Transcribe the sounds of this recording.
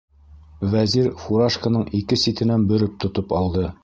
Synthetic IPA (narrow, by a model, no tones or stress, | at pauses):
væziɾfuɾaʃkənɤɴikɘsit̪ɘ̆nænbɵ̆ɾɘp̚t̪ŏt̪ɤpɑlˠd̪ɤ